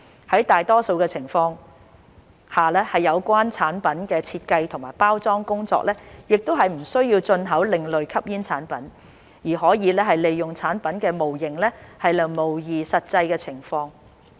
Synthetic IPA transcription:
hɐ˨˥jt̪aː˨jt̪ɔː˥so˧wkɛː˧t͡sʰɪ˨˩ŋfɔː˧ŋ | haː˨lɛː˥hɐ˨jːɐ˨˧wkʷaː˥nt͡sʰaː˨˥npɐ˨˥nkɛː˧t͡sʰiː˧t̚kɐ˧jt̪ʰʊ˨˩ŋmaː˨˩jpaː˥wt͡sɔː˥ŋkʊ˥ŋt͡sɔ̰ː˧k̚lɛː˥jɪ˨k̚t̪o˥wɦɐ˨jm̩˨˩sɵ˥ɥjiː˧wt͡sɵ˧nɦɐ˨˥wlɪ˨ŋlɵ˨ɥkʰɐ˥p̚jiː˥nt͡sʰaː˨˥npɐ˨˥n | jiː˨˩ɦɔː˨˥jiː˨˧lɛː˥hɐ˨jle˨jjʊ˨ŋt͡sʰaː˨˥npɐ˨˥nkɛː˧mo˨˩wjɪ˨˩ŋlɛː˥hɐ˨jlɐ˨mo˨˩wjiː˨sɐ˨t̚t͡sɐ˧jkɛː˧t͡sʰɪ˨˩ŋfɔː˧ŋ

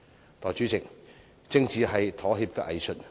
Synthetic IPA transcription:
t̪ɔː˨jt͡ʃyː˨˥t͡sɪ˨k̚ | t͡sɪ˥ŋt͡siː˨˧ɦɐ˨jt̪ʰɔː˨˥ɦiː˧p̚kɛː˧ʔɐ̰˨jsɵ˨t̚

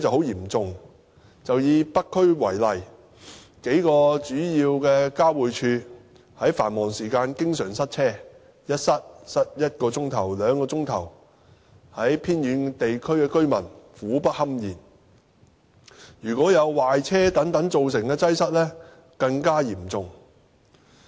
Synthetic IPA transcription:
t͡sɐ˨who˨˥wjiː˨˩mt͡sʊ˨ŋ | t͡sɐ˨wjiː˧pɐ˥kkʰːɵ˥ɥwɐ˨˩jlɐ˨j | ke˨˥jkɔː˧t͡ʃyː˨˥jiː˧wkɛː˧kaː˥wuː˨jt͡ʃʰyː˧ | hɐ˨˥jfaː˨˩nmɔː˨˩ŋsiː˨˩kaː˧nkɪ˥ŋsœː˨˩ŋsɐ˥t̚t͡sʰɛː˥ | jɐ˥t̚sɐ˥t̚sɐ˥t̚jɐ˥t̚kɔː˧t͡sʊ˥ŋt̪ʰɐ˨˩wlœː˨˧ŋkɔː˧t͡sʊ˥ŋt̪ʰɐ˨˩w | hɐ˨˥jpʰiː˥njyː˨˧nt̪e˨jkʰɵ˥ɥkɛː˧kɵ˥ɥmɐ˨˩nfuː˨˥pɐ˥t̚hɐ˥mjiː˨˩n | jyː˨˩kʷɔː˨˥jɐ˨˧wwaː˨jt͡sʰɛː˥t̪ɐ˨˥ŋt̪ɐ˨˥ŋt͡so˨wsɪ˨˩ŋkɛː˧t͡sɐ˥jsɐ˥t̚lɛː˥ | kɐ˧ŋkaː˥jiː˨˩mt͡sʊ˨ŋ

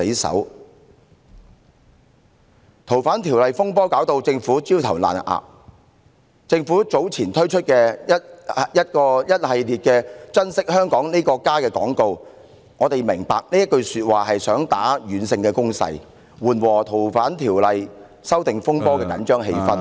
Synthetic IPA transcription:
e˨˥jsɐ̰˨˥w | t̪ʰo˨˩wfaː˨˥nt̪ʰiː˨˩wlɐ˨jfʊ˥ŋpɔː˥kaː˨˥wt̪o˧wt͡sɪ˧ŋfuː˨˥t͡siː˥wt̪ʰɐ˨˩wla̰ː˨nʔa̰ː˨p̚ | t͡sɪ˧ŋfuː˨˥t͡so˨˥wt͡sʰiː˨˩nt̪ʰɵ˥ɥt͡ʃʰɵ˥t̚kɛː˧jɐ˥t̚jɐ˥t̚kɔː˧jɐ˥t̚hɐ˨jliː˨t̚kɛː˧t͡sɐ˥nsɪ˥k̚hœː˥ŋkɔː˨˥ŋniː˥kɔː˧kaː˥kɛː˧kɔː˨˥ŋko˧w | ŋɔː˨˧t̪e˨jmɪ˨˩ŋpaː˨k̚nliː˥jɐ˥t̚kɵ˧ɥsyː˧t̚waː˨ɦɐ˨jsœː˨˥ŋt̪aː˨˥ɥyː˨˥nsɪ˧ŋkɛː˧kʊ˥ŋsɐ̰˧j | wuː˨nwɔː˨˩t̪ʰo˨˩wfaː˨˥nt̪ʰiː˨˩wlɐ˨j | sɐ˥wt̪ɪ˨ŋfʊ˥ŋpɔː˥kɛː˧kɐ̰˨˥nt͡ʃœː˥ŋɦe˧jfɐ˥n

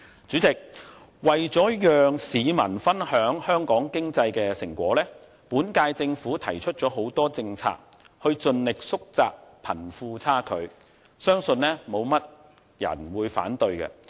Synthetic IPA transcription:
t͡ʃyː˨˥t͡sɪ˨k̚ | wɐ˨jt͡ʃɔː˨˥jœː˨ŋsiː˨˧mɐ˨˩nfɐ˥nhœː˨˥ŋhœː˥ŋkɔː˨˥ŋkɪ˥ŋt͡sɐ˧jkɛː˧sɪ˨˩ŋkʷɔ̰ː˨˥lɛː˥ | puː˨˥nkaː˧jt͡sɪ˧ŋfuː˨˥t̪ʰɐ˨˩jt͡ʃʰɵ˥t̚t͡ʃɔː˨˥ɦo˨˥wt̪ɔː˥t͡sɪ˧ŋt͡sʰa̰ː˧k̚ | hɵ˧ɥt͡sɵ˧nlɪ˨k̚sʊ˥k̚t͡saː˧k̚pʰɐ˨˩nfuː˧t͡sʰaː˥kʰɵ˨˧ɥ | sœː˥ŋsɵ˧nlɛː˥mo˨˧wmɐ˥t̚ | jɐ̰˨˩nwuː˨˧jfa̰ː˨˥nt̪ɵ˧ɥkɛ̰˧

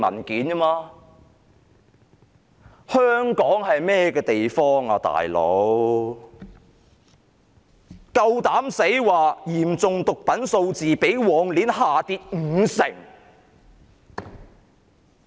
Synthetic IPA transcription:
mɐ̰˨˩nkiː˨˥na˥maː˧ | hœː˥ŋkɔː˨˥ŋɦɐ˨jmɛː˥kɛː˧t̪e˨jfɔː˥ŋaː˧t̪a̰ː˨˩jlo̰˨˥w | kɐ˧wt̪aː˨˥mse˨˥jwaː˨jiː˨˩mt͡sʊ˨ŋt̪ʊ˨k̚pɐ˨˥nso˧wt͡siː˨pe˨˥jwɔː˨˥ŋliː˨˥nhaː˨t̪iː˧t̚ŋ̩ː˨˧sɪ˨˩ŋ

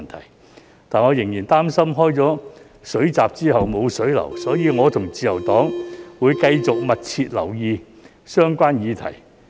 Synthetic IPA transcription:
nt̪ʰɐ˨˩j | t̪aː˨nŋɔ˨˧jɪ˨˩ŋjiː˨˩nt̪aː˥msɐ˥mɦɔː˥jt͡sɔː˨˥ | sɵ˨˥ɥt͡saː˨p̚t͡siː˥ɦɐ˨wmo˨˧wsɵ˨˥ɥlɐ̰˨˩wsɔː˨˥jiː˨˧ŋɔː˨˧t̪ʰʊ˨˩ŋt͡siː˨˧jɐ˨˩wt̪ɔː˨˥ŋwuː˨˧jkɐ˧jt͡sʊ˨k̚mɐ˨t̚t͡sʰiː˧t̚lɐ˨˩wjiː˨˧ | sœː˥ŋkʷaː˥njiː˨˧t̪ʰɐ̰˨˩j

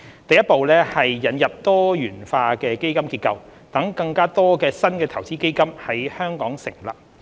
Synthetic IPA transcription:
t̪ɐ˨jɐ˥t̚po˨wlɛː˥hɐ˨jːɐ˨˥njɐ˨p̚t̪ɔː˥jyː˨˩nfaː˧kɛː˧ke˥jkɐ˥mkiː˧t̚kɐ˧wt̪ɐ˨˥ŋkɐ˧ŋkaː˥t̪ɔː˥kɛː˧sɐ˥nkɛː˧t̪ʰɐ˨˩wt͡siː˥ke˥jkɐ˥mhɐ˨˥jhœː˥ŋkɔː˨˥ŋsɪ̰˨˩ŋla̰ː˧p̚

